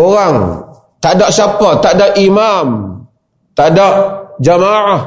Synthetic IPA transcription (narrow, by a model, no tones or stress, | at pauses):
oɾaŋ | t̪aʔdɔʔsapɔt̪aʔdɔʔimam | t̪aʔdɔʔd͡ʒamaʕah